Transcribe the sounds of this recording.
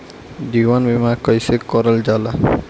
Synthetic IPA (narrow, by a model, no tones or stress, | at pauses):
d̪iwanbimakəjsekɔɾəld͡ʒala